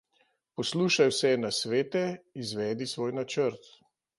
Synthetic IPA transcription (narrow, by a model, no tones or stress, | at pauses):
pɔsluːʃajwsɛɛnasʋeːt̪ɛizʋɛːd̪isʋoːjnat͡ʃəɾt̪